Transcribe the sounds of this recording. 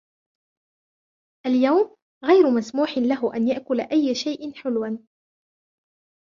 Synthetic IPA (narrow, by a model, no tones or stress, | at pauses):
ʔaljawm | ɣajɾʊmasmuːħɪnlaɦʊʔanjaʔkʊlaʔajːaʃajʔɪnħɪlwan